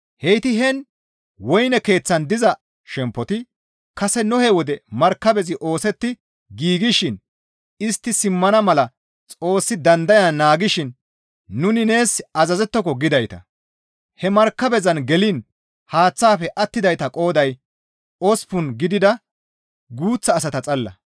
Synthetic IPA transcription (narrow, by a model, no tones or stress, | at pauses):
hɛjt̪ɪɦɛn | wɔjnɛke̞ːt͡sːɐnd̪ɪzɐ | ʃɛmpːɔt̪ɪ | kɐsɛnɔhɛwɔd̪ɛmɐɾkːɐbɛzɪʔo̞ːsɛt̪ːɪ | ɡiːɡɪʃɪn | ɪst̪ːɪsɪmːɐnɐmɐlɐ | t͡sʼo̞ːsːɪd̪ɐnd̪ɐjɐnaːɡɪʃɪnː | ʊnɪne̞ːsɐzɐzɛt̪ːɔk̬ɔɡɪd̪ɐjt̪ɐ̰ | hɛmɐɾkːɐbɛzɐnɡɛlɪn | haːt͡sːaːfɛʔɐt̪ːɪd̪ɐjt̪ɐkʼo̞ːd̪ɐj | ɔspʊnɡɪd̪ɪd̪ɐ | ɡuːt͡sːɐːsɐt̪ɐt͡sʼɐlːɐ̰